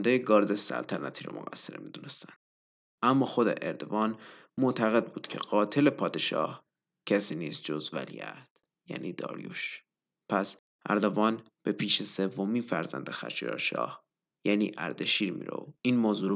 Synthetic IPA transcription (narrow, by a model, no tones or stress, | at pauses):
nd̪ejeɡɒːɾd̪esæ̰lt̪ʰænæt̪ʰiːɾo̰moɣæsːeɾemid̪unest̪ænd̪̥ | æmːɒːxo̞d̪ḛʔeɾd̪ovɒːn | moʔt̪ʰæɣe̞d̪̚buːd̪̥cʰe̞̰ɢɒːt̪ʰe̞le̞pʰɒːd̪e̞ʃɒ̰ːh | cʰæsiːniːst̪̚d͡ʒozvæ̰lḭjæt̪ | jæ̰ːniːd̪ɒ̰ːɾjṵːʃ | pʰæs | ʔæɾd̪ovɒːn | b̥e̞pʰiːʃese̞vːomiːnfæɾzænd̪exæ̰t͡ʃḭɾɒ̰ːʃɒ̰ːh | jæniːʔæɾd̪eʃiːɾmḭɾo̰oiːnmoːzuːɾ